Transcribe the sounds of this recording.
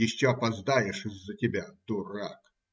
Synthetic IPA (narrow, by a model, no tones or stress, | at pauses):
ɪɕːoɐpɐzd̪ajɪʂɨzːətʲɪbʲad̪ʊɾa̰k